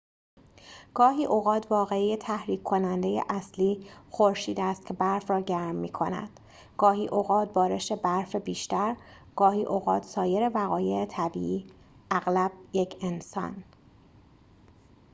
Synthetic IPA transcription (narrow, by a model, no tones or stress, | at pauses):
ɡ̥ɒːɦiːʔoɣɒːt̪ʰvɒːɣe̞ijet̪ʰæhɾiːkʰːo̞nænd̪e̞jḛʔæsliːxoɾʃiːd̪eæːst̪̚kcʰe̞bæɾfrɒːɟæɾmːiːkʰo̞næ̰d̪̥ | ɡ̥ɒːɦiːʔoɣɒːt̪̚bɒːɾe̞ʃe̞bæɾfebiːʃt̪æɾ | ɡ̥ɒːhiːʔoɣɒːt̪ʰsɒːje̞ɾe̞væɣɒːje̞et̪ʰæbḭːʔiː | ʔæɣlæb̥̚jecʰe̞nsɒ̰n